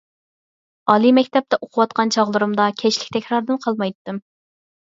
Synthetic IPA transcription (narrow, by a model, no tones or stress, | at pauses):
ɑlˠimɛkʲt̪ɛp̚t̪ʰɛʔoqʰʊwɑt̪̚qʰɑnt͡ʃʰɑʁlˠɨɾumd̪ɑkʲʰɛt͡ʃlɪk̚ʲt̪ʰɛkʲɾɑɾd̪ɨnqʰɑlˠmɑjt̪ːɨm